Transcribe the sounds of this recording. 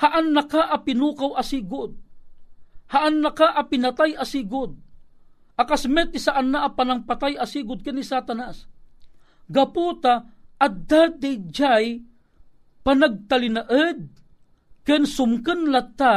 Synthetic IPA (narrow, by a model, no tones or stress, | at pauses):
haʔanːakaʔɐpɪnuːkawʔɐsiːɡʊd̪̚ | haʔanːakaʔapɪnat̪ajʔasiːɡʊd̪̚ | ʔakasmɛt̪ɪsaʔanːaʔapanaŋpat̪ajasiːɡʊd̪̚kanisat̪anas | ɡaput̪aʔːd̪ad̪id͡ʒaj | panaɡ̚t̪alɪnaʔəd̪̚ | kɛnsʊmkənlat̪ːa